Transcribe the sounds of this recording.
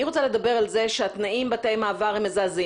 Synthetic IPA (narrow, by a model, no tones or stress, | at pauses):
iʁot͡sale̞d̪abe̞ʁalze̞ʃeat̪naimbatejmaːvaʁhemezaːzi